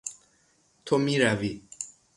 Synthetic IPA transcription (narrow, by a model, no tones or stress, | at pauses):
t̪ʰomiɾavi